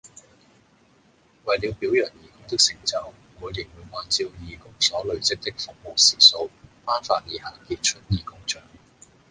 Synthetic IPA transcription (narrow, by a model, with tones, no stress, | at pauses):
wɐ˨jli˨˧wpiː˨˥wjɐ˨˩njiː˨˩kʊ˥ŋt̪ɪ˥k̚sɪ˨˧˥ŋt͡sɐ˨˧w | kɔː˨˧liː˨˩wuː˨˧jwaː˨˥nt͡siː˧wjiː˨˧kʊ˥ŋsɔː˨˥lɵ˨˧ɥt͡sɪ˥k̚t̪ɪ˥k̚fʊ˨k̚mo˨˩wsiː˨˩so˨˥wfaː˥nfaː˧t̚liː˨˩haː˨˩kiː˧t̚t͡ʃʰɵ˥t̚jiː˨˩kʊ˥ŋt͡ʃœː˨ŋ